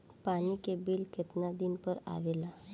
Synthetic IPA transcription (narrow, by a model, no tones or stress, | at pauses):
panikebiːlkʰet̪nad̪inpəɾa̰ʋela